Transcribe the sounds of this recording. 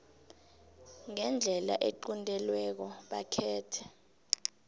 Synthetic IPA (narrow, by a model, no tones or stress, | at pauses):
ŋɛnd͡ɮʱɛla̰ʔeǃundʼʱɛlwɛk̬ɔɓakʰɛːtʰɛ